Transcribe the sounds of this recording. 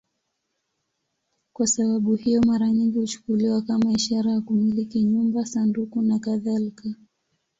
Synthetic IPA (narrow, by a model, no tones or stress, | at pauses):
kwasaɓaɓuhijɔmaɾaɲiŋɡihut͡ʃu̥kuliwakamaiʃaɾajakumilikiɲumbasandukunakaðalika